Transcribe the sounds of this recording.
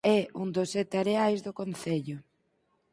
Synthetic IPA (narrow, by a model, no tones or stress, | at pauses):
ɛund̪osɛt̪ɪaɾeajzðʊkonθeʎʊ